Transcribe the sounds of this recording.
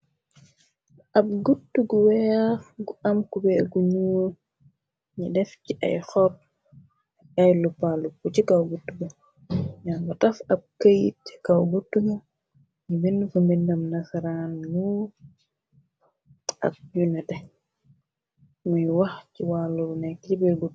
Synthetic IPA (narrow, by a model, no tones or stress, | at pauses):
ab̚ɡutːuɡuwɛjafɡuamkubɛɡuɲu | ɲidɛfciʔa̰jxɔt̚ | ajlupaluput͡ʃikawɡutːuɡu | ɲaŋɡutafab̚kajtkawɡutːuɡɐ | ɲibinfumbindamnasaɾanːu | a̰k̚junɛdɛ | mujwahciwalulunɛkːibɛɡut